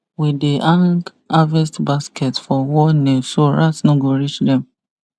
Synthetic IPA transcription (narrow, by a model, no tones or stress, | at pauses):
wideʔãŋɡ | avɛstbaskɛtfɔwɔnesoɹatnoɡoɹit͡ʃdɛ̃m